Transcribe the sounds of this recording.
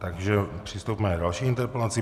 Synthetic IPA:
t̪aɡʒɛpr̥ist̪uːpmɛajd̪aʃɛint̪ɛɾpɛlaːt͡siː

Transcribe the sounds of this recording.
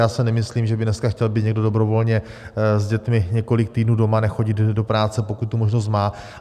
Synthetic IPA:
jaːsɛnɛmɪsliːmʒɛbɪdnɛskaxcɛlbit̪ɲɛɡdo̞do̞bɾo̞vo̞lɲɛ | zɟɛt̪mɪɲɛko̞lɪk̚t̪iːdnuːdo̞manɛxo̞ɟɪd̪do̞pɾaːt͡sɛpo̞kut̪t̪umo̞ʒnos̬t̪maː

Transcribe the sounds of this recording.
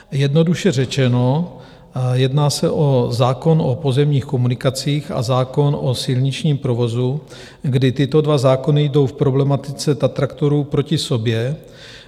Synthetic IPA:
jɛdno̞duʃɛrɛt͡ʃɛno̞ | jɛdnaːsɛʔozaːko̞nopo̞zɛmɲiːxko̞munɪkat͡siːxa̰zaːko̞no̞sɪlɲɪt͡ʃɲiːmpɾo̞vo̞zu | ɡdɪt̪ɪt̪o̞dvazaːko̞nɪjdo̞wfpɾo̞blɛmat̪ɪt͡sɛt̪at̪ɾakt̪o̞ɾupɾo̞cɪso̞bjɛ

